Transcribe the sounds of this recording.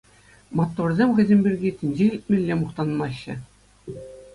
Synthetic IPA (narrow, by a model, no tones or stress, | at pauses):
mɑt̪ːorzʲemʲxʲɘ̆zʲĕmʲbʲirʲɡʲitʲɘ̆nʲd͡ʑeilʲt̪̚ʲmʲelʲːemuχt̪ɑnmɑɕːɘ̆